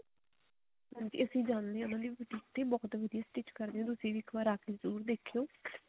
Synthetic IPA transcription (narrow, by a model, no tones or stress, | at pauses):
nd͡ʒḭːəsĩːd͡ʒaːnd̪eʊnãːd̪iːpʈiːʈ̪eːbɔɦt̪ʋəd̪ijaːsʈɪt͡ʃkəɾd̪eõːd̪ʊsiːʋiːkʰʋaːɾaːkeːzəɾuːɾd̪eːkʰjoː